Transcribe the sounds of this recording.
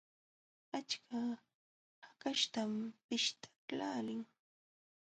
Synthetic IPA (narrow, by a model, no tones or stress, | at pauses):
at͡ʃkʰa | hakaʃt̪ampɪʃt̪ʰḁlaːlɪŋ